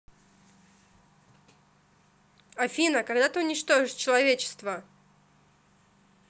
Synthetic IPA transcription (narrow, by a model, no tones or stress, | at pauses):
afʲinəkaɡd̪at̪ɨʊnʲɪt͡ɕt̪oʐɨʂt͡ɕɪlˠɐvʲet͡ɕɪ̥st̪və